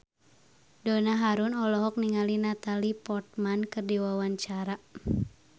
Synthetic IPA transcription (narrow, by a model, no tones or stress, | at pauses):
dɔnaɦaɾunɔlɔɦɔk̚niŋalinat̪alipɔrt̪̚mankɨrdiwawaɲt͡ʃaɾa